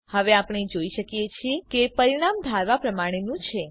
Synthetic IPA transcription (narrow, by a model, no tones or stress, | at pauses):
həʋeapɳ̃id͡ʒoiʃəkjet͡ʃʰiekepəɾiɽ̃amd̪ʱaɾʋapɾəmaɽ̃enũt͡ʃʰe